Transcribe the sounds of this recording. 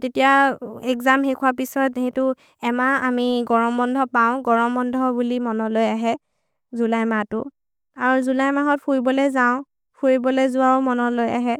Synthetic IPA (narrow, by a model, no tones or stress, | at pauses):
tetijaɛkzamɦekʰʊapisɔthetʊ | ɛmaamiɡɔɹɔmbɔndʱɔpaʊ̃ɡɔɹɔmbɔndʱɔbulimɔnɔlojaɦɛ | zulajmatʊ | aɹuzulajmaɦɔt̚pʰuɹibɔlezaʊ̃ | pʰuɹibɔlezuwamɔnɔlojaɦɛ